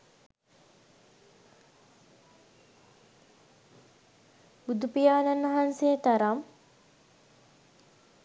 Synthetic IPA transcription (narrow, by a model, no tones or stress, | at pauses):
bud̪upijaːnanʋɐɦansejət̪ɐɾam